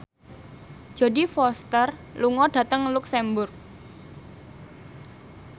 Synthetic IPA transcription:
ʒ̥a̤difɔst̪ərluŋɔɖ̥ä̤t̪əŋluksɛmbʊrk̚

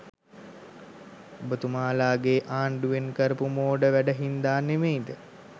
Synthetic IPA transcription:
obət̪umaːlaːɡeːʔaːɳɖuʋenkəɾəpumoːɖəʋæɖəɦind̪aːnemeid̪ə

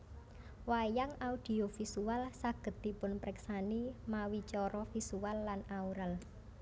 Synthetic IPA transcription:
wajaŋaud̪̥i̤ofisualsaɡ̥ə̤t̪̚d̪ipʊnpɾɛksanimawit͡ʃɔɾɔfisualːanauɾal

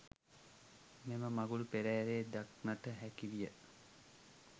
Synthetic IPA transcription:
meməmaɡulupeɾɛɾeːd̪ak̚naʈəɦækiʋijə

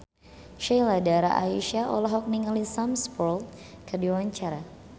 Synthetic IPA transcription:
ʃejladaɾa̰ʔa̰iʃaʔɔ̰lɔɦɔk̚niŋalisamspɔlt̚ | kərdiwaɲt͡ʃaɾa

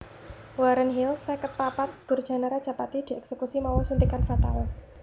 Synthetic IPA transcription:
waɾənɦilsɛkət̪̚papat̪̚d̪̥urd̥ʒ̥a̤naɾad̥ʒ̥a̤pat̪id̪̥iɛksekusimawɔsunt̪ikanfat̪awa

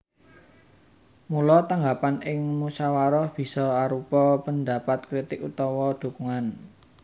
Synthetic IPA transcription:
mulɔt̪aŋɡapanɪŋmusawaɾɔhb̥i̤sɔaɾupɔpənd̪a̤pat̪̚kɾit̪ɪkut̪ɔwɔd̪̥o̤kuŋan

